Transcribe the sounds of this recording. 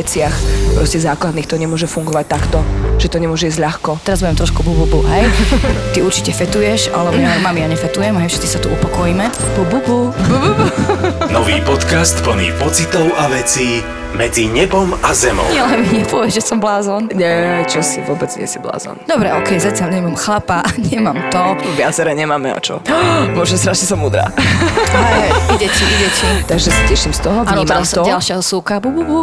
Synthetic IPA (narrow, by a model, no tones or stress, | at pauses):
t͡sɪaxpɾɔscɛzaːklad̪niːxt̪ɔɲɛmʊɔʒɛfuŋɡɔʋac̚t̪akt̪ɔʒ̥ɛt̪ɔɲɛmʊɔʒɛizɟlʎaxkɔt̪ɛɾazbuʋjɛmt̪ɾɔʃkubububuɦɛjt̪iuɾt͡ʃicɛfɛt̪ujɛʃalɛbɔɲɛɛmamijaɲɛfɛt̪ujɛmɦɛjfʃɛt̪t͡si̥sat̪uupɔkɔjiːmɛ | bubububububunɔʋiːpɔt̪kast̪pl̩nḭːpɔt͡sit̪ɔʊʔaʋɛt͡siː | mɛd͡ziɲɛbɔmazɛmɔ̰ʊɲɛalɛmiɲɛpɔʋɛʒɛsɔmblaːzɔnɲɛt͡ʃɔsiʋʊɔbɛd͡zɲɪɛ̰sibla̰ːzɔ̰nd̪ɔbɾɛɔkɛjzacɪaʎɲɛmamxlapaʔɲɪɛmamt̪ɔʋɪat͡sɛɾɛɲɛmaːmɛa̰t͡ʃɔ̰mʊɔʒɛst̪ɾaːʃɲɛsɔmuːd̪ɾa̰ː | aɛidɛciʔiɟɛcʰit̪aɡʒɛsacɛʃimst̪ɔɦɔnimaamst̪ɔalʃɪaɦɔsuːkabububu